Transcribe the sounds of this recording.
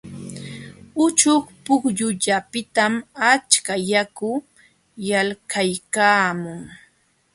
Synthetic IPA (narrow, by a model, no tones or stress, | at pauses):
ʊt͡ʃʊχpʊkʎʊʎapɪt̪amat͡ʃkajakʊ | jalkʰajkaːmʊŋ